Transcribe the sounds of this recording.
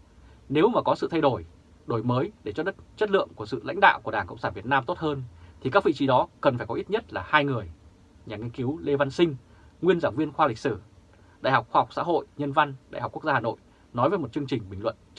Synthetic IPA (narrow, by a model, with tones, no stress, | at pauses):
ne˨˦wmaː˨˩kɔ˨˦sɨ̰˧˨t̪ʰa˧jɗo˧˩j | ɗo˧˩jməː˨˦jɗe˧˩t͡ɕɔ˧ɗə˦˥t̚t͡ɕə˦˥t̚lɨ̰˧˨əŋku˧˩əsɨ̰˧˨la̰˧˥jŋ̟ɗa̰ː˧˨wku˧˩əɗaː˨˩ŋkə̰˧˨wŋ͡msaː˧˩nvi˨˩ət̚naː˧mt̪o˦˥t̚həː˧nt̪ʰi˨˩ka˦˥k̚vḭ˧˨t͡ɕi˨˦ɗɔ˨˦kə˨˩nfaː˧˩jkɔ˨˦ʔi˦˥t̚ɲə˦˥t̚laː˨˩haː˧jŋɨ˨˩əj | ɲaː˨˩ŋi˧ənki˨˦wle˧va˧nsï˧ŋ̟ | ŋwi˧ənzaː˧˩wvi˧ənxwaː˧li˨˩k̟̚sɨ˧˩ | ɗa̰ː˧˨jɦa˨˩wk͡p̚xwaː˧˨˩k͡p̚sa̰ː˧˥ɦo̰˧˨jɲə˧nva˧nɗa̰ː˧˨ha˨˩k͡pku˦˥k̚za˧haː˨˩no̰˧˨j | nɔ˨˦jvəː˨˦jmo˨˩t̚t͡ɕɨ˧əŋt͡ɕï˨˩ŋ̟ɓï˨˩ŋ̟lwə̰˧˨n